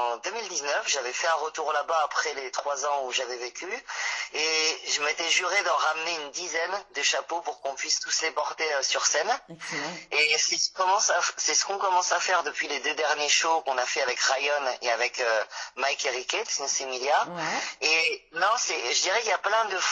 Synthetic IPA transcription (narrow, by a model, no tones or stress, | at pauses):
ɑ̃d̪ømild̪iznœfʒavɛfɛɛ̃ʁət̪uʁlabaːpχɛlet̪χwazɑ̃uʒavɛvekʲyeʒəmet̪ɛʒyʁed̪ɑ̃ʁamneynd̪izɛnd̪əʃapopuʁkɔ̃pɥist̪uslepɔʁt̪eøsyʁsɛn | esɛskɔmɑ̃sasɛsə̥kɔ̃kɔmɑ̃safɛʁd̪əpɥiled̪ød̪ɛʁnjeʃokɔ̃nafɛavɛkʁajɔnḛavɛkømajkeʁikʲet̪snsemiljaenɔ̃sɛʒəd̪iʁɛkiljaplɛ̃d̪əf